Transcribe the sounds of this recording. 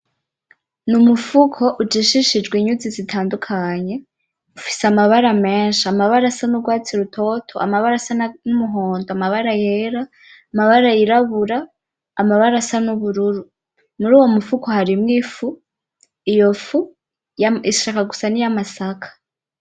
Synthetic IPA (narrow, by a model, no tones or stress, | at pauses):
numufukʰo̞ʔud͡ʒiʃiʃid͡ʒɡwiɲuzizitʰaːndukʰaɲe̞ | ufi̥seamaβaɾame̞ːnʃiamaβaɾasanuɡwaːt͡siɾutʰo̞tʰo̰a̰maβaɾasannumuɦo̞ːndoamaβaɾajeɾaː | maβaɾajiɾaβuɾaː | maβaɾasanuβuɾuɾu | muɾuːwo̞mufukʰo̞haɾimŋifu | ijo̞fu | iʃakaɡu̥sanijamasakʰḁ